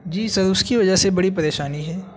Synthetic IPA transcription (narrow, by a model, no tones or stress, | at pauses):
d͡ʒiːsɐɾʊskiʋɐd͡ʒəɦsebɐɽipɐɾeːʃaːniɦɛː